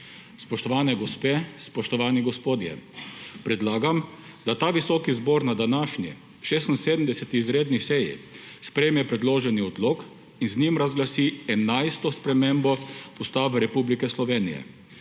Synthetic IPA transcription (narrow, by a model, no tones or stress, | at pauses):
spɔʃt̪ɔʋaːnɛɡɔspespɔʃt̪ɔʋaːniɡɔspoːd̪jɛ̰pɾɛd̪laːɡamd̪at̪aːʋisɔːkizbɔːɾnad̪anaːʃɲḭ | ʃeːst̪n̩seːd̪əmd̪ɛsɛt̪iːzɾeːd̪nisɛjḭ | spɾɛjmɛpɾɛd̪loːʒɛniɔd̪loːk | inzɲimɾazɡlasiɛnajst̪ɔspɾɛmembɔust̪aːʋɛɾɛpublikɛslɔʋeːnḭjɛ̰